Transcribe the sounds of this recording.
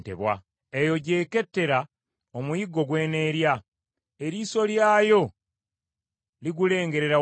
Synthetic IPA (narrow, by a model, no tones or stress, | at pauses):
tḛβwa̰ | ejo̞ɟe̞ːke̞tːe̞ɾa | omujiɡːo̞ɡwe̞ːne̞ːɾja | eɾiːso̞ljaːjo̞ | liɡule̞ːŋɡe̞ɾe̞ɾa